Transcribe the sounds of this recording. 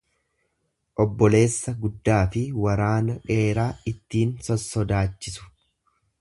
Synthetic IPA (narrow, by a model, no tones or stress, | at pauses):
ʔɔbːɔle̞ːsːɐɡʊd̪ːaːfɪwɐɾaːnɐᶑe̞ːɾaːɪt̪ːiːnsɔsːɔd̪aːt͡ʃːɪsʊ̥